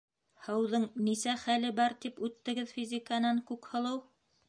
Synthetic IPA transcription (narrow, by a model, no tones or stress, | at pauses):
hɤ̆wðɤɴnisæχælɘbɑɾt̪ipʉt̪ːɘ̆ɡɘðfʲizʲikanɑɴkʉkhɤ̆lˠɤw